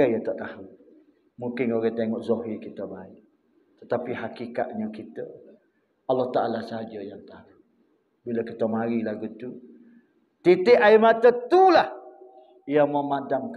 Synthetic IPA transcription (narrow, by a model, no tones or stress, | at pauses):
əjət̪aʔt̪ahu | muŋkɪnoɾɛt̪eŋɔʔzoɦikit̪əbaɪʔ | t̪ət̪apihakika̰ʔ̪̚ɲəkit̪ə | ɑlːɔht̪aʔalasəɦad͡ʒəjaŋt̪ahu | biləkit̪əmaɾilaɡut̪u | t̪it̪ɪʔaimat̪ət̪ulah | jaməmadaŋk